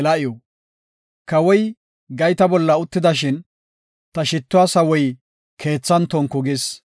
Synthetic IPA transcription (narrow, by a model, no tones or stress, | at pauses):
lɐʔɪjɔ | kɐwɔj | ɡɐjt̪ɐbɔlːɐʊt̪ːɪd̪ɐʃɪn | t̪ɐʃɪt̪ːʊasɐwɔj | kʰe̞ːt͡sːɐnt̪ɔŋkːɔɡɪs